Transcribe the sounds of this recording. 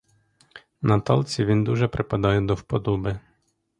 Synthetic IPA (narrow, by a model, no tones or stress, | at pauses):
nat̪ɔ̰lʲˠt͡sʲiʋʲind̪uʒɛpɾɪpad̪ɑjɛd̪ɔwpɔd̪ɔbɪ